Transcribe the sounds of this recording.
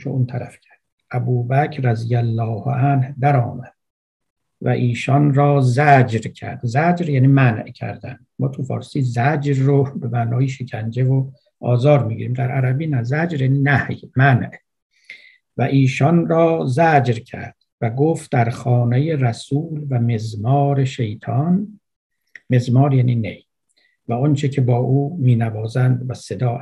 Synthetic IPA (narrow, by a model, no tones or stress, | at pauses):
ʃount̪ʰæɾæ̰fcʰæ̥ɾd̪̥̚ʔæbuːbæcʰɾæzijælːɒːhʔænhd̪æɾɒːmæd̪̥ | væ̰ʔiːʃɒnɾɒːzæd͡ʒɾcʰæ̰ɾd̪̥zæd͡ʒɾjæːniːmænʔcʰæ̰ɾd̪æ̰nd̪mɒːt̪ʰufɒ̰ːɾsiːzæd͡ʒɾːobe̞mæːnɒːjeʃecʰænd͡ʒevo | ʔɒːzɒːɾmiːɡiːɾiːmd̪æɾʔæɾæbiːnæzæd͡ʒɾjæːninæhjmænʔ | væʔiːʃɒːnrɒːzæd͡ʒɾcʰæ̰ɾd̪̥væɡoft̪̚d̪æɾxɒːnejeræsuːlvæme̞zmɒːɾe̞ʃe̞jt̪ʰɒn | me̞zmɒːɾjæːninḛj | væont͡ʃʰe̞cʰe̞bɒːʔuːmiːnævɒːzænd̪væse̞d̪ɒː